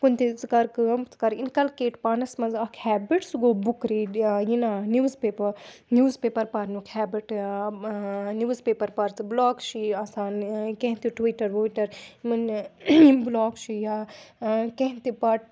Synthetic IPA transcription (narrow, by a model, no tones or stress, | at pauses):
kunt̪it͡skɐɾkɨɐmt͡skɐɾinkɐlkeːʈpaːnɐsmɐzɐkʰhɛːbiʈsɡoːbukɾijinanuːzpeːpɐɾnuːzpeːpɐɾpɐɾnukʰhɛːbiʈa | nuːzpeːpɐɾpɐɾt͡sɨblɔːkʃiɐsaːnkẽɦnt̪iʈwiːʈɐɾʋoːiʈɐɾmɐn | blɔːkt͡ʃʰija | kẽɦ̪t̪ipɐʈ